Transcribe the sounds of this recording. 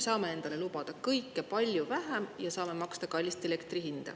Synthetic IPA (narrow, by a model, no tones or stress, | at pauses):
sɑːme̞e̞nd̪̥ɑle̞lub̥ɑd̪̥ɑkɤjkːˑe̞pɑlʲjuvæɦæmjɑsɑːme̞mɑkst̪ɑkɑlʲːist̪ele̞kt̪rihind̪̥ḛ